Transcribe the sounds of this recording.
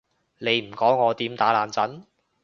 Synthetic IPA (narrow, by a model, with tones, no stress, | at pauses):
le˨˧jm̩˨˩kɔː˨˥ŋːɔː˨˧t̪iː˨˥mt̪aː˨˥laː˨nt͡sɐ˨˥n